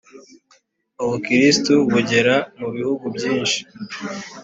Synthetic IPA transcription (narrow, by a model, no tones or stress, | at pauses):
uβukiɾistuβuɟe̞ɾamuβihuɡubɟiːnʃi̥